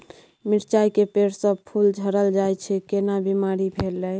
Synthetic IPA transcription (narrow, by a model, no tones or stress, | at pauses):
miɾt͡ʃaikepeɽsə̃pʰuld͡ʒʱəɾəld͡ʒajt͡ʃʰɛkenabimaɾibʱelːə